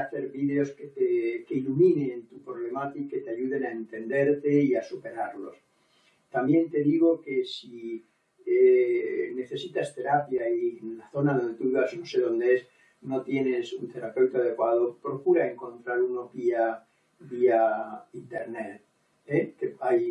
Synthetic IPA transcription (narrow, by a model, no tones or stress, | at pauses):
aθe̞ɾβiðe̞o̞sket̪eke̞ilumĩnent̪upɾo̞βle̞mat̪iket̪eaʝuðe̞naent̪e̞nd̪e̞ɾt̪e̞iasupe̞ɾaɾlo̞̰s | t̪amje̞nt̪e̞ðiɣ̞o̞ke̞si | ene̞θe̞sit̪ast̪e̞ɾapjaienlaθo̞naðond̪e̞t̪uiβasnose̞ðo̞nd̪ees | no̞t̪je̞ne̞sunt̪e̞ɾape̞wt̪oaðe̞kwað̞o̞pɾo̞kuɾae̞ŋko̞nt̪ɾaɾunopia | biaint̪e̞ɾnet̪̚ | ekeaj